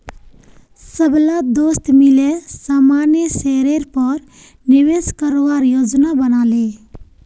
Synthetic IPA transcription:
səblad̪ost̪milesamanjəseɾeɾpɔɾ | niʋeskəɾoʋaɾjod͡ʒnabənale

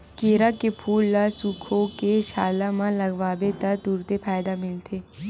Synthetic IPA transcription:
keːɾakepʰuːlːasuːkʰõkeʃaːlamãlɐɡʋaːbet̪ɐɾd̪uːɾt̪epaːjd̪amɪlt̪ʰeː

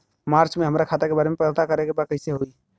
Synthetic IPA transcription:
maɾt͡ʃmeɦəmɾakʰat̪eɾkebaːɾemepət̪akəɾekebakəɪseɦoi

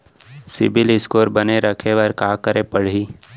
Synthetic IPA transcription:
sɪbɪlɪskoːɾbɐneɾɐkʰeʋɐɾkaːkəɾepɐɽ̤iː

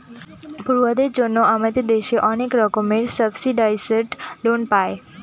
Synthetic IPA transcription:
bʱuɾuʋad̪ed͡ʒonːoamet̪ed̪eʃeʔɔnekɾɔkomeɾsəbsiɖajsəɾʈlonpae

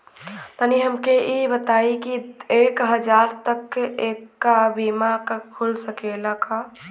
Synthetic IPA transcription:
t̪əniɦəmkeʔibət̪aikiekɦəd͡ʒaɾt̪əkekːabimakkʰulsəkeləka

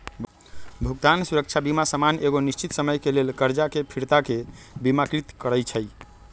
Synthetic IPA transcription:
b | bʱuɡt̪ansuɾək̚t͡ʃʰabimasəmanʔeɡonist͡ʃit̪səməjkelelkəɾd͡ʒakepʰiɾt̪ake | bimakɾit̪kəɾəjt͡ʃʰəj

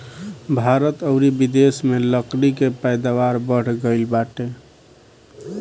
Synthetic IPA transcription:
bʱaɾət̪əʊɾibid̪esmeləklikepəjd̪awaɾbəɽ̤ɡəɪlbaʈe

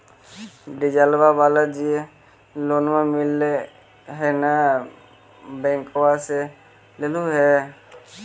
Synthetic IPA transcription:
ɖid͡ʒalbabalad͡ʒie | lonmamilːe | ɦɛna | bɛŋkɔwase | leluɦɛ

